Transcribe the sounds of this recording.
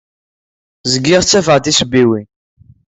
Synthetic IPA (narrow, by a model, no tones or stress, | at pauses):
zəɡːiʁt͡sːæfəʁt̪isbːiwi